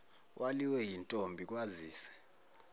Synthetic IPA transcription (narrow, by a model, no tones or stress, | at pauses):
wʔaliwɛjintʼombʱik̬ʼwaziːsɛ̥